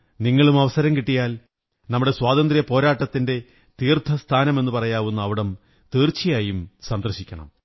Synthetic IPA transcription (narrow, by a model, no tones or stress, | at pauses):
niŋːɐɭumɐʋɐsɐɾɐmkiʈːijaːl | nɐmːuɽe̞swaːd̪ɐnd̪rijɐpo̞ːɾaːʈːɐt̪ːinde̞ | t̪iːrt̪ʰɐst̪ʰaːnɐme̞nːupɐrɐjaːʋunːuɐʋiɽɐm | t̪iːrt͡ɕːijaːjumsɐnd̪rɐɕikʲːɐɳɐ̰m